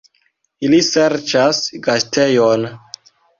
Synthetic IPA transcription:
iliseɾt͡ʃasɡastʰejon

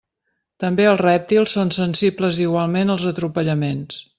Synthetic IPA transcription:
t̪əmbeəlˠzrɛp̚t̪ilˠsonsənsibləziɣwalˠmenəlˠzət̪ɾupəʎəmens

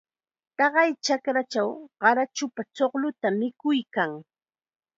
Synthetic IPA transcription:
t̪ɑɢɑjt͡ʃakɾat͡ʃawɢɑɾat͡ʃʊpat͡soχlʊt̪amɪkʊjkaŋ

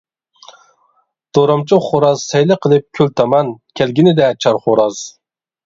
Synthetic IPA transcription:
d̪̥oɾɑmt͡ʃʰuχoɾɑzsɛjlɨqʰəlˠɨp̚kʲʰylt̪ʰɑmɑnkʲʰælɡʲinɪd̪ɛt͡ʃʰɑɾχoɾɑz̥

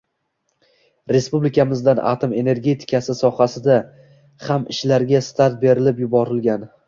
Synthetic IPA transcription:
ɾe̞spublɪkʲʰamɪzd̪anʔa̰t̪ʰome̞ne̞ɾɡʲe̞t̪ʰɪ̥kʰʲasɪsɒhasɪd̪a | hamɪʃlaɾɡʲast̪ʰaɾt̪̚be̞ɾɪlɪpjʊbɒɾɪlɡʲan

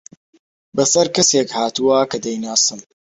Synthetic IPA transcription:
bɐsɐɾkɐseːkhaːt̪uwakɐd̪ɐjnaːsɨm

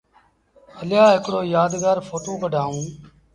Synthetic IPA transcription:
əljaːɦɪkɽoːjaːd̪ɡaːɾfoːʈõːkəɖʱaːũː

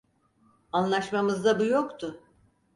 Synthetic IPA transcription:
anlˠaʃmamɯzd̪abujokt̪ʰʊ

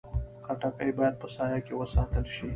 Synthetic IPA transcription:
xaʈakajbɑjad̪̚pəsɑːjɑkewəsɑːt̪əlʃi

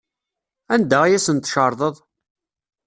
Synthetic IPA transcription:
ænd̪æijæsənt̪ʃəɾˤðˤəðˤ

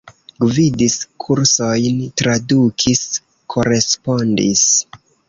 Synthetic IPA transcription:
ɡvidiskʰuɾso̞jntɾadukʰis | kʰo̞ɾe̞spo̞ndḭs

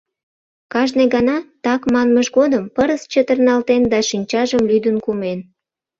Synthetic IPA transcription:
kɑʒneɣɑnɑt̪ɑkmɑnməʒɣod̪əmpəɾəst͡ɕət̪ərnɑlt̪end̪ɑʃinʲt͡ɕɑʒəmlyd̪ənkumen

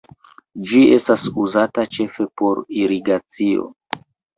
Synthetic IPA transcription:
d͡ʒie̞stasuzatat͡ʃe̞fe̞po̞ɾiɾiɡat͡sio̞̰

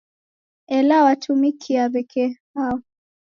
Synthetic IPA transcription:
ɛlawatʰumikʰiaβɛkʰɛhaɔ

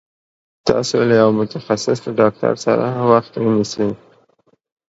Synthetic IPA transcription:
t̪ɑ̰solajawmʊt̪axasɪslaɖɑk̚ʈa̰ɾsa̰ɾawaxt̪wənisi

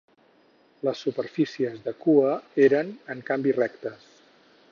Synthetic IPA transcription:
ləsːupəɾfisiəzðəkuəeɾənəŋkambirɛkt̪əs

